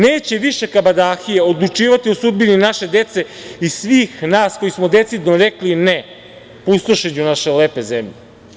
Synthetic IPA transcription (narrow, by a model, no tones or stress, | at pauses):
neːt͡ɕe̞ʋiʃe̞kabad̪aːxijeod̪lˠut͡ʂiːʋat̪iosud̪̚bininaʃe̞d̪e̞t̪se̞isʋiːxnaːsko̞jismod̪e̞t̪sid̪noɾekline | pust̪oʃet͡ɕunaʃeleːpe̞zemʎe